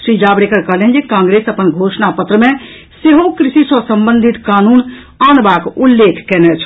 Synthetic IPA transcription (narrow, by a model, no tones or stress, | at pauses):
sɾid͡ʒabɾekəɾkəɦlɛɦɛnd͡ʒekãŋɡɾesəpənɡʱosnapət̪ɾəmẽ | seɦõkɾisisəsəmbənd̪ʱit̪kanun | anbakulːekʰkɛnɛt͡ʃʰ